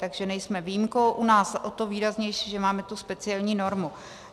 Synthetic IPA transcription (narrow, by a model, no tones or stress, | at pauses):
t̪aɡʒɛnɛjsmɛvijimko̞wʔunaːsʔot̪oviːɾazɲɛjʃiːʒɛmaːmɛt̪uspɛt͡sɪɛlɲiːno̞ɾmu